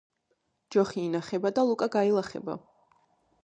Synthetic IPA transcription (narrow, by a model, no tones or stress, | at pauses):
d͡ʒɔχiːnaχɛbad̪alˠukʼaɡailˠaχɛ̰ba̰